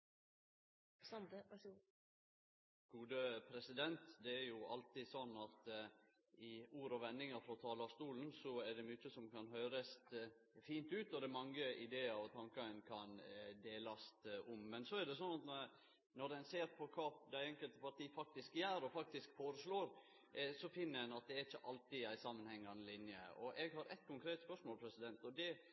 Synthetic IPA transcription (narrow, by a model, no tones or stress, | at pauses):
sɑn | ɡ̥uːd̪əpʰɾɛsɪd̪ɛnt̪d̪ɛæɾjʊɑ̰lt̪isɔnːɑt̪ | ɪuːɾɔʋɛnːɪŋəɾfɾɔt̪ʰɑːlɑst̪uːln̩sɔæɖɛmyt͡ʃːəsɔmkʰɑnhøːɾəst̪ | fiːnt̪ʉːt̪ɔd̪ɛmɑŋːəɪd̪eːɑɾɔt̪ʰɑŋkɑənkʰɑnd̪eːlɑst̪ɔmːɛnsɔæɖ̪ɛsɔnːɑt̪nɔ | nɔd̪ɛnseːɾpʰɔkʰɑːd̪æɪɛŋkəlt̪əpɑʈiːfɑk̚t̪ɪskjæːɾɔfɑk̚t̪ɪskfoːɾəsɭoːɾ | sɔfɪnːəɛnɑt̪̚d̪ɛæɾɪt͡ʃːəʔɑlt̪ɪæɪsɑmːənhɛŋːɑnlɪnjəɔʔɛɡhɑɾɛ̰t̪̚kʰʊŋkʰɾeːt̪spœʂmoːlpʰɾɛsɪd̪ɛnt̪ɔd̪ɛ